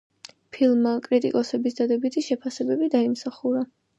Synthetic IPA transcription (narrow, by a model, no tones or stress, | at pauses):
pʰilˠmːakʼɾit̪ʼḭkʼɔsɛbisd̪ad̪ɛbit̪ʰiʃɛpʰasɛbɛbid̪aimsaχuɾa